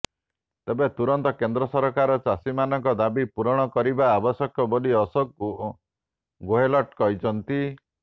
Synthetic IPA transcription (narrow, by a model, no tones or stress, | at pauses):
t̪ebet̪uɾɔnt̪ɔkend̪ɾɔsɔɾɔkaɾɔt͡ʃasimanɔŋkɔd̪abipuɾɔɽ̃ɔkɔɾibaːbɔsɔkʰɔboliɔsɔk | ɡoɦelɔʈkɔjt͡ʃʰɔnt̪i